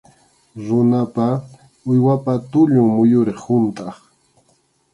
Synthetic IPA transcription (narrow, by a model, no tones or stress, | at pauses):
ɾʊnapa | ʊjwapat̪ʊʎʊŋmʊjʊɾɪχhʊnt̪ʼɑχ